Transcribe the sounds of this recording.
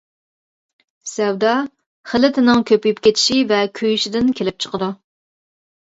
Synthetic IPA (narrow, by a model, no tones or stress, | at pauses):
sɛwd̪ɑ | χəlɪt̪ʰɪnɪŋkʲʰøpyjypkʲʰet̪ʰɪ̥ʃivɛkʲʰøjyʃɪd̪ɪnkʲʰelɪp̚t͡ʃʰə̥qəd̪u